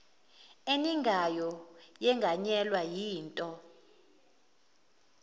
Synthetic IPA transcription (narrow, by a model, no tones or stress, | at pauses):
eniŋɡʱajɔjɛŋɡʱaɲɛlwajiːntʼɔ